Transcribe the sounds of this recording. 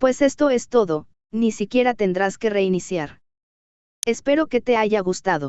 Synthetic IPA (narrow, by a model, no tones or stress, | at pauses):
pwe̞se̞st̪o̞e̞st̪o̞ðo̞ | nisikje̞ɾat̪e̞nd̪ɾaske̞re̞inisjaɾ | e̞spe̞ɾo̞ke̞t̪e̞aʝaɣust̪aðo̞